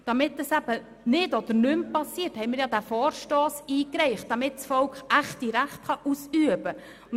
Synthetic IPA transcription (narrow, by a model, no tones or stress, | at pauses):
d̥ɑmɪt̚dɑsæb̥ə | nɪdɔd̥̪əɾnʏmpɑsiəɾthɛɪmɪɾjɑdæfɔːɾʃtɔːsiːkɾɛɪχtd̥ɑmɪtsfɔlkχæχtiɾæχtχɑʔusyəbə